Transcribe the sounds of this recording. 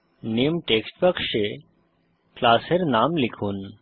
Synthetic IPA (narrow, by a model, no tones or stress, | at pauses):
nemʈeksʈpəkʂe | klaːseɾnamlikʰuːn